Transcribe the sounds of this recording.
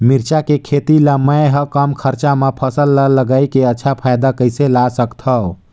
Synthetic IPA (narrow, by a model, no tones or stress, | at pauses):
miɾt͡ʃakekʰet̪ilaməjɦəkəmkʰəɾt͡ʃamepʰəsəlːəlːəɡajkeətːʃʰapʰajd̪akəjselasəkt̪ʰəw